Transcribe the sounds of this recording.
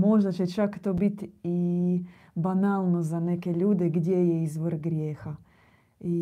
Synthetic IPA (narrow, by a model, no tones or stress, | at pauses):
moʐnɐt͡ʃɛt͡ʃakt̪obit̪ʲi | banalˠnɔzɐnʲɛkʲelʲud̪ɨɡdʲejɛizvɨrɡɾʲɛxɐ | i